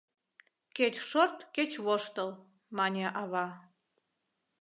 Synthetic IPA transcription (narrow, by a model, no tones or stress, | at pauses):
ket͡ɕʃort̪ket͡ɕβoʃt̪əl | mɑnʲeʔɑβɑ